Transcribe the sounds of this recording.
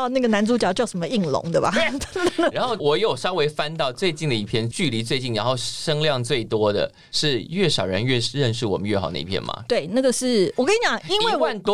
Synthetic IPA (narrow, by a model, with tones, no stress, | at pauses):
na˥˩ɡə˩na˧˥nt͡su˧˥t͡ɕjɑ˨˩ʊt͡ɕjɑ˥˩ʊʂə˦mə˧i˥˩ŋlʊ̰˧˥˦ŋd̪ə˧bɐ̰˨˧˩ | ɻa˧˦nxo˥˩ʊwɔ˨˩jɛ˧˥jo˨˩ʂɑ˥ʊwe˧˥ɪfa˦nt̪ɑ˥˧ʊt͡swe˥˧ɪt͡ɕi˥˩nd̪ə˩i˥˩pʰjɛ˥˧nt͡ɕy˥˨˩li˧˥t͡swe˥˧ɪt͡ɕi˥˩nɻa˧˥nxo˥˧ʊʂɤ˥ŋljɑ˥˧ŋt͡swe˥˩ɪt̪wɔ˥d̪ə̰˨ | ʂɻ̩˥˧ɥɛ˥˩ʂɑ˨˩ʊɻə˧˦nɥɛ˥˧ɻə˥˧nʂɻ̩˥˩wɔ˨˩mə˦nɥɛ˥˩xɑ˨˩ʊd̪ə̰˧ḭ˥pʰjɛ̰˧˩nmɐ̰˩t̪we˥˩ɪna˥˩ɡə˩ʂɻ̩˥˩wɔ˨˩kʰə˥i˧˥t͡ɕjɑ˨˩ŋi˥nwe˥˩ɪwa˥˩nt̪